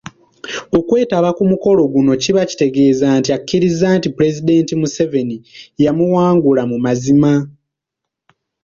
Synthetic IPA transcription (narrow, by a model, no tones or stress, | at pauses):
o̞kwe̞ːtaβakumuko̞lo̞ɡuno̞ciβaci̥te̞ɡe̞ːzaːntiakʰːiɾizaːntipuɾe̞zid̪e̞ːntimuse̞ve̞nijamuwaːŋɡulamumazima